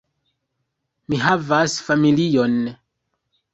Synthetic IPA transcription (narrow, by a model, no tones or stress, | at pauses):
miɦavasfamilijon